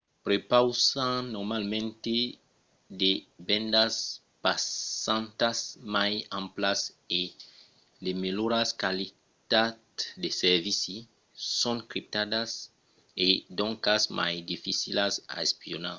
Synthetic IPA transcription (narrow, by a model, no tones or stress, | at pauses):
pɾepawsãnoɾmalmẽnt̪e | d̪ebẽnd̪as | pasãnt̪asmajãmplas | e | lemeloɾaskali | t̪add̪eseɾvisi | sõŋkɾip̚t̪ad̪as | ed̪õŋkasmʔa̰jd̪ifisilasa̰espionaɾ